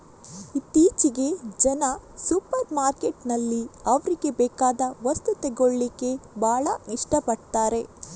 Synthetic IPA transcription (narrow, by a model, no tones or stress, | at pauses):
it̪ːiːt͡ʃiɡe̞d͡ʒɐnɐsupɐɾmaːɾke̞ʈnɐlːiɐʋɐɾiɡe̞bɛːkaːd̪ɐʋɐst̪ut̪eɡoɭːikːe̞bʱaːɭɐiʂʈɐpɐɽt̪aːɾe̞